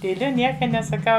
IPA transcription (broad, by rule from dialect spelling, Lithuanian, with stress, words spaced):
tʲiːˈlʲʊ ˈnʲiɛkɐ nʲɛsɐˈkɐʊ